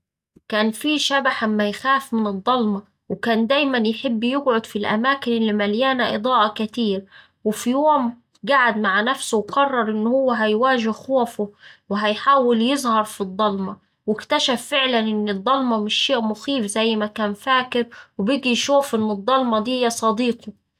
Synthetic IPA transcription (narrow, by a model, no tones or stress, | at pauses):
kaːnfiːʃæbaħʔamːæjxaːfmɪnɨd̪ˤːɑlmɑ | wɪkaːnd̪æːjmænjħɪbːjɪɡʕʊd̪filʔæ̰maːkɪnɪlːimæljaːnaʔɨd̪ˤɑːʔɑkɪt̪iːɾ | wɪfijoːm | ɡaʕad̪maʕanæfsʊwqɑrˤːɑɾˤʔɪnːhʊwːæɦæjwaːʒɪhxoːfʊwɪɦæjħaːwɪljɪzˤhɑɾˤfid̪ˤːɑlmɑ | wɪkt̪æʃæfːɪʕlanʔɪnːɪd̪ˤːɑlmɑmɪʃːeːʔmʊxiːfzæjːmækaːnfaːkɪɾwɪbiɡijʃuːfʔɪnːɨd̪ˤːɑlmɑd̪iːjæsˤɑd̪iːqo